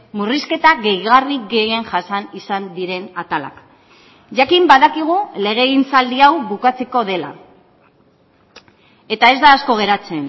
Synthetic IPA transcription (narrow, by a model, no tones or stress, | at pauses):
muriske̞t̪aɣe̞jɣarikɡe̞je̞nʝasanisand̪iɾe̞nat̪ala̰k | ʝakimbaðakiɣ̞ule̞ɣ̞e̞ɣint͡sald̪iawβukat͡se̞ko̞ðe̞la̰ | e̞t̪ae̞zd̪aːsko̞ɣ̞e̞ɾat͡se̞n